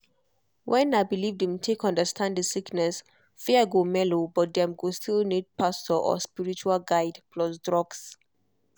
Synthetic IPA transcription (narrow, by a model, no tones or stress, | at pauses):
wʔɛ̃naɪbilivdĩmtʰekʌ̃ndəstʰãnddəsiknɛs | fɛəɡomɛlobɔt̚d̪ɛ̃mɡostʰilnid̚pʰastəʔɔ̰spiɹit͡ʃualɡaɪdpʰlɔsdɹɔɡs